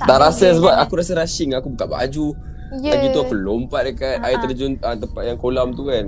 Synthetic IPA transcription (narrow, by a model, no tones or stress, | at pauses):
t̪aʔɾasas̬əbaʔ̚akuɾasəɾaʃɪŋakubukanba̰d͡ʒu | apit̪uafəlompadəkat̪̚aɪt̪ərd͡ʒʊnət̪əmpaʔ̪̚jaŋkolamt̪ukan